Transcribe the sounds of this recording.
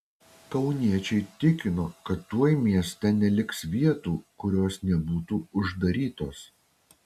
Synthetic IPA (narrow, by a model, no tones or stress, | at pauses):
kɐʊnʲiɛt͡ʃʲɛɪt̪ʲɪkʲɪnoːkɐt̪ːuɔjmʲiɛsʲt̪ʲɛnʲɛlʲɪksʋʲiɛt̪uːkʊɾʲoːsnʲɛbuːt̪uːʊʒd̪ɐɾʲiːt̪oːs